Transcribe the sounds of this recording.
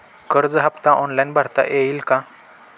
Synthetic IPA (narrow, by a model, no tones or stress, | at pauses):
kəɾd͡zɦapt̪aʔɔnlajnbʱaɾt̪a̰ʔeilkã